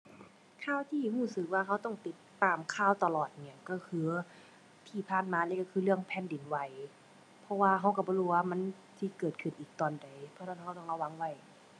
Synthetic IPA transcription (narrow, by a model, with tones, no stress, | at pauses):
kʰaː˧˩˨wt̪ʰiː˧˥˨huː˧˩sɯ˧˦k̚waː˧kʰa˧˥wt̪ɔ˧˥˩ŋt̪i˨˧˦t̪ːaː˨˩mkʰaː˧˩˨wt̪a˧lɔː˨˩t̪̚ni˧˩˨kɔ˧˩kʰɯː˧˦ | t̪ʰiː˧˩pʰaː˧˩˨nmaː˧lɛ˧˩˨ka˧kʰɯː˧˦lɯ˥˩əŋpʰɛː˧˥˨ndi˨˦nwa˧˩j | pʰɔ˧˥waː˧kʰɦa˧˥wka˧˩bɔː˧˦huː˧˩waː˧˩ma˧˥˨n | si˧˦kɤː˨˩t̪̚kʰɯ˨˩nʔiː˨˩k̚t̪ɔː˨˩nda˨˩jpʰɔ˧˦a˧˩˨ha˧wt̪ɔ˧˩˨la˧wa˧˥ŋwa˧˩j